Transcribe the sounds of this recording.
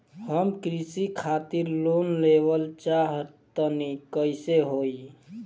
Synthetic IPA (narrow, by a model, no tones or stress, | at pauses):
həmkɾisikʰat̪iɾlonleʋəlt͡ʃaɦət̪ənikəɪseɦoi